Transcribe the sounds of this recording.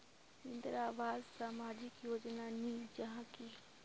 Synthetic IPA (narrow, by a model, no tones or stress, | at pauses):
ɪ̃nd̪əɾaːʋaːzsaːmaːd͡ʒɪkjoːd͡ʒnanĩd͡ʒɐɦãki